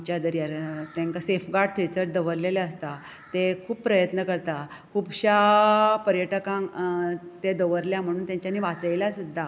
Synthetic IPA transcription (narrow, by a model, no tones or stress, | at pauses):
t͡ɕad̪əɾjaɾt̪ãŋkasefɡaɽ̚t̪ʰit͡səɾd̪əʋəɾleljaəst̪a | t̪ekʰuːpːpɾəjət̪nəkəɾt̪akʰuːbɕapəɾjəʈəkãŋ | t̪ed̪əʋəɾljam̤əɽ̃ũːnt̪jãɲt͡ɕjaniːʋat͡səjljasud̪ʱːa